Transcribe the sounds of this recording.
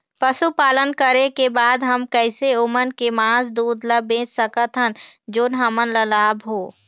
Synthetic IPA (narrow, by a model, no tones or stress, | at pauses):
pəsupaːlənkəɾekebaːd̪ɦɐmkɛɪseʊmənkemãːsd̪uːd̪ləbẽːt͡ʃsəkət̪ɦənd͡ʒoːnɦɐmənləlaːbɦoː